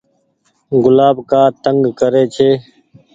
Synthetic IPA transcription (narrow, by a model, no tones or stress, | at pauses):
ɡʊlaːbkaːt̪əŋɡkəɾeːt͡ʃʰeː